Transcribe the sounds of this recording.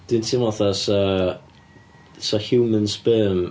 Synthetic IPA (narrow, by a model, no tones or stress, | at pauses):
d̥ɪntʰimɔθɔsɔ | sɔhjuːmənsbəːm